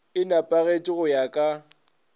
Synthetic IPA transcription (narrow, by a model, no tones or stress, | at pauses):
ɪnapʼaɣet͡ʃʼɪɣʊjakʼa